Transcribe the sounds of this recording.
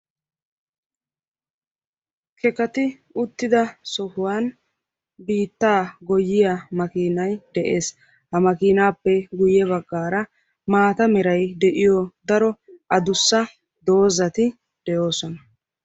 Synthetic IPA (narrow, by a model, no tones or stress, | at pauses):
kʰɛkɐt̪ɪ | ʊt̪ːɪd̪ɐsɔhʊwaːn | biːt̪ːaːɡɔjːɪjamɐkiːnɐjd̪ɛʔe̞ːs | hɐmɐkiːnaːpːɛɡʊjɛβɐɡːaːɾɐ | maːt̪ɐmɛɾɐjd̪ɛʔɪjɔd̪ɐɾɔʔɐd̪ʊsːɐ | d̪o̞ːzɐt̪ɪ | d̪̥ɛjo̞ːsɔnɐ